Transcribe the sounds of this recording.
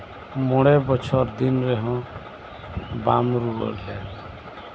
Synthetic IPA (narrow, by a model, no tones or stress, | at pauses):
mɔɽebɔt͡ʃʰɔɾd̪inɾeɦɔ̃ | bamɾuɔ̰ɾlel